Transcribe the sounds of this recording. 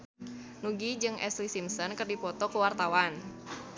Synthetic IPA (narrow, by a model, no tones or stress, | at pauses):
nuɡid͡ʒɨŋʔɛ̰slisimsɔnkɨrdipɔt̪ɔkəwart̪awan